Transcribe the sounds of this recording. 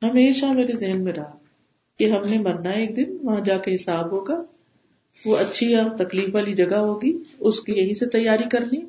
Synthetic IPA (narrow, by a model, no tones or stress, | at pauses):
ɦɐmeːʃameːɾezɪɦənmẽɾɐɦa | keɦɐmnemɐɾnaeːk̚d̪ɪnʋɐɦãd͡ʒaːkeɦɪsaːbɦoːɡaː | ʋoɐtːʃʰiɔːɾt̪ɐkliːfʋaːlid͡ʒɐɡaɦoːɡiʊskijɐɦĩset̪ɐjːaːɾikɐɾlĩː